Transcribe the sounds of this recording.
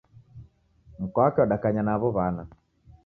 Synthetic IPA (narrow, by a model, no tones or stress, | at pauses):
m̩kɔakɛɔɗakaɲanaβɔβana